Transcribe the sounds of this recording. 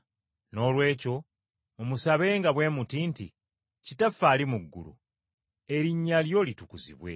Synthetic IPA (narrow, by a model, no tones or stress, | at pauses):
no̞ːlwe̞ːco̞ | omusaβe̞ːŋɡaβwe̞ːmutiːntḭ | citafaːlimuɡːṵlṵ | e̞ɾiɲːaljo̞litukuzḭβwe̞̰